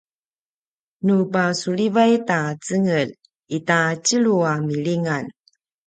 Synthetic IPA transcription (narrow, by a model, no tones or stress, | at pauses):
nupasuɭivajtat͡səŋəl | itat͡ɕiɭuamiɭiŋan